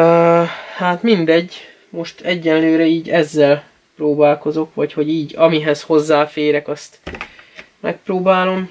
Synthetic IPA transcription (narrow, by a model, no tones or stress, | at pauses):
haːt̪mind̪ɛɟː | mo̞ʃt̪ʰɛɟːɛnløːɾɛiːɟɛzːɛl | proːbaːlko̞zo̞kʋɒcho̞ɟiːɟɒmiɦɛsho̞zːaːfeːɾɛkɒst̪ | mɛ̰k̚proːbaːlo̞m